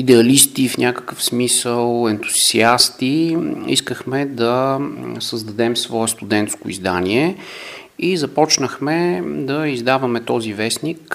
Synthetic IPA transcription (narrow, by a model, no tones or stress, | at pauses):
id̪ɛɐlist̪ifnʲʔakə̥kəfsmisəlˠɛnt̪u̥z̥iast̪iḭskəxmɛd̪ɐsəzd̪ɐd̪ɛmsvɔɛst̪ud̪ɛnt̪skʊḭzd̪anʲiɛ | izɐpɔt͡ʃnəxmɛd̪ɐizd̪avəmɛt̪ɔzivɛsnik